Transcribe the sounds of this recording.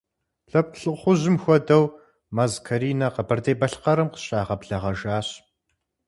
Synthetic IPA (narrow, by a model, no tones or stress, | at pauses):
ɬɐp̚ɬɨχʷʊʑɪmxʷɔdɐw | maːzkʰɐɾiːnɐqəbɐrdeːbɐɬqɐɾɨmqə̥ɕʼaːʁɐbɮɐʁɐʒaːɕ